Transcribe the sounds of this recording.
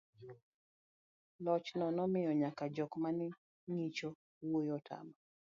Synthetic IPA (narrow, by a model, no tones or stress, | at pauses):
lɔt͡ʃnɔnɔmɪjɔɲakad͡ʒɔkmanɪ | ŋit͡ʃo | wojɔtʰa̰ma